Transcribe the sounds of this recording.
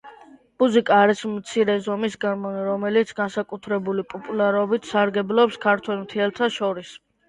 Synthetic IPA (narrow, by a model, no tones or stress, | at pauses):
muzikʼaːɾismt̪sʰiɾɛzɔmisɡaɾmɔniɾɔmɛlit̪sʰɡansakʼut̪ʰɾɛbulipʼɔpʼulaɾɔbit̪ʰsaɾɡɛblˠɔpskʰaɾt̪ʰwɛlmt̪ʰiɛlˠt̪ʰaʃɔɾis